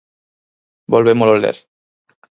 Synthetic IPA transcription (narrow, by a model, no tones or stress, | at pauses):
bolbemololḛɾ